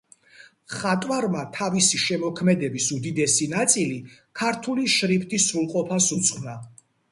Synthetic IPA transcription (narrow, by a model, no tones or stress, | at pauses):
χat̪ʼwaɾmat̪ʰavisiʃɛmɔkʰmɛd̪ɛbisud̪id̪ɛsinat̪sʼilikʰaɾt̪ʰuliʃɾipʰʼt̪ʰʼisɾulˠqʼɔpʰasut̪sʼχʼna